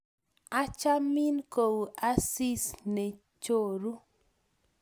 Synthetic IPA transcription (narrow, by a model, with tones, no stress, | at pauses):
a˦t͡ʃa˦mɪ˦nko˨wu˨ʔa˦si˦sne˨ | t͡ʃo˦ɾu˦